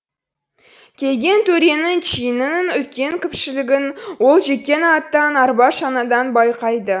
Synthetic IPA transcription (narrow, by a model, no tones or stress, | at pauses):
kʲʰe̞lɡʲe̞nt̪ʰɵɾe̞nɪŋʃʰijɪnɪɪŋʏlkʲe̞ŋkʲʰɪpʃɪlɪɡʲɪnwo̞lˠʒe̞t̪̚kʲːe̞nɑt̪ːɑnɑɾbɑʃɑnɑd̪ɑnbɑjqɑjd̪ə